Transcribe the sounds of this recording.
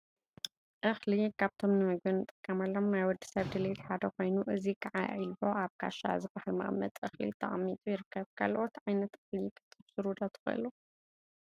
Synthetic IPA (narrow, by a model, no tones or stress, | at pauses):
ʔɨxlikʰaβt̪ʰo̞mnɨmɨɡ̚bɐnɨt̪ʼɨkʼːɐmalːomnajwɔd̪i̥sɐβd̪ɨlet̪ħad̪ɐko̞jnuʔɨzikʼaʕa̰ilbo̞ʔaβkʰa̰ʃa̰zɨbahalma̰ʔmːɐ̰t̪ʼɨxlḭt̪ʰɐ̰ʔʼmːit̪ʼujɪɾɨkːɐβkʰa̰lʔot̪ʕajnɐt̪ɨxlikʰɨ̥t̪ʼːɨbsɨɾud̪at̪ʰɨ̥xɐ̰lu